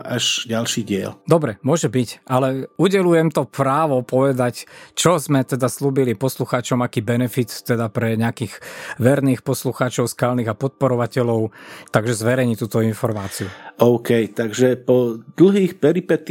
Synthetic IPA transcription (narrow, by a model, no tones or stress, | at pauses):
aʒɟalʃiːɟɪɛ̰ld̪ɔbɾɛmʊɔʒɛbicʔalɛuɟɛlujɛmt̪ɔpɾaːʋɔpɔʋɛd̪act͡ʃɔzmɛt̪ɛd̪asluːbilipɔsluxaːt͡ʃɔmakiːbɛnɛfit̪ːɛd̪apɾɛɲɛakiːɣʋɛɾniːxpɔsluxaːt͡ʃɔʊskaːlniːɣapɔt̪̚pɔɾɔʋacɛlɔʊt̪aɡʒɛzʋɛɾɛjɲit̪uːt̪ɔinfɔɾmaːt͡siuʔɔʊkɛjt̪aɡʒɛpɔd̪l̩ɦiːxpɛɾipɛt̪